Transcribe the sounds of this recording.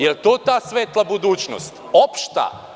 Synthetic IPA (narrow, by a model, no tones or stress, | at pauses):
jelt̪oːt̪aːsʋeːt̪lˠabud̪uːt͡ɕno̰st̪opʃt̪a̰